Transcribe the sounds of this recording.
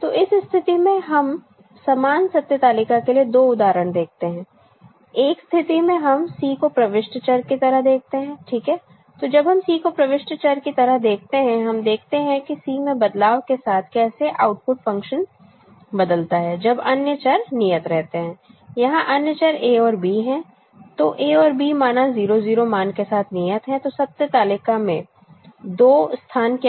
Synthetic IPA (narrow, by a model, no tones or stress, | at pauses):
t̪oːʔɪsst̪ʰɪt̪imẽɦɐm | saːmaːnsɐt̪jət̪aːlɪkakelied̪oːʊd̪aːɾəɽ̃d̪eːk̚ʰt̪eɦɛ̃ː | eːkst̪ʰɪt̪imẽɦɐmsiːkopɾɐʋɪʃʈt͡ʃəɾkit̪ɐɾəɦd̪eːk̚ʰt̪eɦɛ̃ːʈʰiːkɦɛː | t̪od͡ʒɐbɦɐmsiːkopɾɐʋɪʃʈt͡ʃɐɾkit̪ɐɾəɦd̪eːk̚ʰt̪eɦɛ̃ɦɐmd̪eːkʰt̪eɦɛ̃kisiːmẽbɐd̪laːʋkesaːt̪ʰkɛːseʔaːʊʈ̚pʊʈfɐ̃ŋkʃən | bɐd̪əlt̪aɦɛːd͡ʒɐbɐnjət͡ʃɐɾnijət̪ɾɛɦt̪eɦɛ̃ːjɐɦãʔɐnjət͡ʃəɾeːɔːɾbiːɦɛ̃ː | t̪oʔeːɔːɾbiːmaːnaziːɾoziːɾomaːnkesaːt̪ʰnijət̪ɦɛ̃t̪osɐp̚sət̪aːlɪkamḛ̃ | d̪oːst̪ʰaːnk